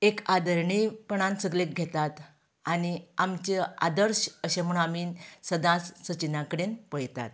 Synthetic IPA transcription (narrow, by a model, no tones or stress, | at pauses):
ekad̪əɾɳipəɳ̃ãnsəɡlek̚ɡʱet̪at̪ | aniamt͡ɕea̰d̪əɾɕəɕẽm̤uɳ̃amiːnsəd̪ãsːət͡ɕinãkəɽenpəjt̪a̰t̪